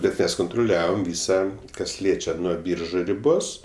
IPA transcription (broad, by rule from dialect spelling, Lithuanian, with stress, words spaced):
bʲɛt ˈmʲɛs kʊntrʊˈlʲæːʋoːm ˈʋʲiːsɐ kɐs ˈlʲiɛt͡ʃʲɛ nuɔ ˈbʲiːrʒʊ rʲɪˈboːs